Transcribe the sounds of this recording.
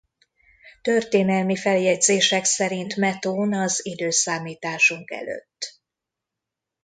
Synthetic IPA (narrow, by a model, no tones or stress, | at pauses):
t̪ø̞rt̪eːnɛlmifɛljɛd̪zeːʃɛksɛɾint̪mɛt̪oːnɒzid̪øːsaːmiːt̪aːʃuŋkɛ̰lø̰t̪ː